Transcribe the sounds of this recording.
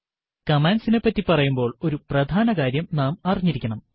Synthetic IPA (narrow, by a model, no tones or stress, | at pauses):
kɐmaːnsine̞pːɐtːipɐrɐjumbo̞ːɭo̞ɾuprɐd̪ʱaːnɐkaːɾjɐmnaːmɐriɲːiɾikʲːɐɳɐm